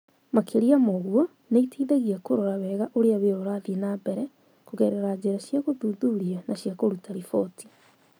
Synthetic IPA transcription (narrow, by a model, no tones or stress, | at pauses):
makʰeɾiamoɣwɔ | neitiːðaɣiakoɾoɾaβɛːɣaʔoɾeaβeɾoɾaðienabɛɾɛ | koɣɛɾeɾaɲd͡ʑeɾaʃjaɣoðuːðuɾianaɕiakoɾutaɾifoti̥